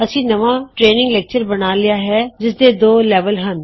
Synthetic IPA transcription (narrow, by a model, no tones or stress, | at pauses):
əsĩːnɐʋaːʈɾeːnɪ̃ŋɡlɛːk̚t͡ʃəɾbənaːlɪjaːɦɛːd͡ʒɪs̬d̪eːd̪oːlɛːʋəlɦən